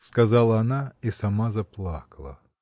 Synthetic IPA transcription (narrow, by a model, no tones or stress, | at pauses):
skɐzalˠɐːnaisɐmazɐplˠakɐlˠɐ̰